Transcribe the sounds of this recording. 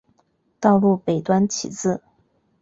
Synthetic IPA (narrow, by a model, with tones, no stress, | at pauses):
t̪ɑ˥˧ʊlu˥˩pe˨˩ɪt̪wa˥nt͡ɕʰḭ˨˩t͡sɹ̩˥˩